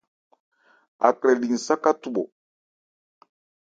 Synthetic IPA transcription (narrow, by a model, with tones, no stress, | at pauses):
a̰˨kɾɛ˨li˨n̩˨sa˦ka˦tu˨ɓɔ̰˨